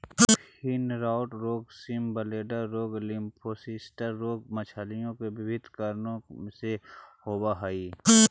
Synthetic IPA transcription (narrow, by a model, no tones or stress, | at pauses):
hɪnɾaːʊʈɾoːɡsimbəleːɖəɾːoːɡlɪmpʰoːsisʈəɾːoːɡ̚mət͡ʃʰalijõkebɪbɪd̪kəɾnõsehoːbaɦaiː